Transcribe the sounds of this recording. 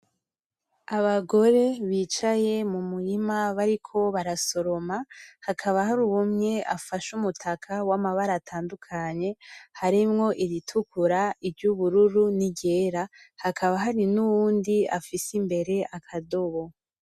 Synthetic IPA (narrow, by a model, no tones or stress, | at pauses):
aβaɡo̞ɾe̞βiːt͡ʃaje̞mumuɾimaβaɾikʰo̞βaɾaso̞ɾo̞mahakʰaβahaɾuwumɲe̞ʔa̰faʃumutʰakʰawamaβaɾatʰaːndukʰaɲe̞haɾimŋo̞ʔiɾitʰukuɾaivjuβuɾuɾuniɟe̞ːɾahakʰaβaɦaɾinuβuːndia̰fisimbe̞ɾe̞ʔakʰado̞βo̞